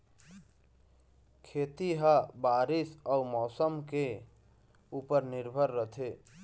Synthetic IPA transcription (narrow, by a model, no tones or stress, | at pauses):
kʰet̪iɦabaɾisɔumɔsəmke | upəɾniɾbʱəɾːət̪ʰe